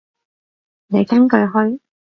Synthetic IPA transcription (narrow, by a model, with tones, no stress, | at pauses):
ne˨˧jkɐ˥nkɵ˧ɥɦɔ˥ɥ